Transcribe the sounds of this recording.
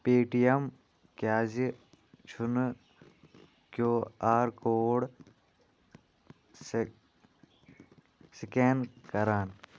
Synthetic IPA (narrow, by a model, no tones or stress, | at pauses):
peːʈijɐm | kjaːzi | t͡ʃʰun | kjoːaːɾkoːɽ | sikenkɐɾaːn